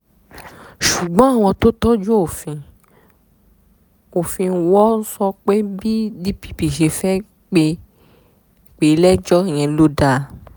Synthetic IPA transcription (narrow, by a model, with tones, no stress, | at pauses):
ʃu˨ɡ͡bɔ̃˨˦a˦˨w̃ɔ̃˧to˦tɔ˦d͡ʒo˦o˦˨fĩ˧ | o˨fĩ˧n̩˦wɔ˦n̩˦sɔ˧k͡pe˦bi˦di˦pi̥˦pi˨ʃe˧fɛ˦ | k͡pe˧˨ | k͡pe˨˦lɛ˦d͡ʒɔ˦˨j̃ɛ̃˨˧lo˦da˦˧˨